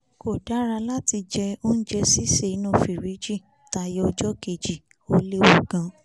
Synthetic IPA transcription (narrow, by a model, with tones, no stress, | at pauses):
ko˨da˨˦ɾa˧la˦ti˧d͡ʒɛ˧o˦n̩˦d͡ʒɛ˧si˦se˦˨i˨˧˦nũ˦˨fi˨ɾi˨˦d͡ʒi˦˨ | ta˧je˦ɔ˧d͡ʒɔ˦ke˦˨d͡ʒi˨ | o˧le˦wo˨ɡ̥ã˧